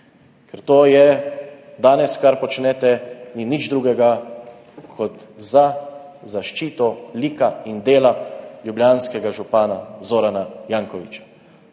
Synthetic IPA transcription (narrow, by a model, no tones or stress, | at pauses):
kɛɾt̪oːjɛ | d̪aːnɛskaɾpɔt͡ʃnɛt̪ɛninid͡ʒd̪ɾuːɡɛɡa | kʰɔt̪za | zaʃt͡ʃiːt̪ɔlikaind̪eːlaljubljaːnskɛɡaʒupaːnazoːɾanajaːŋkɔʋḭt͡ʃḁ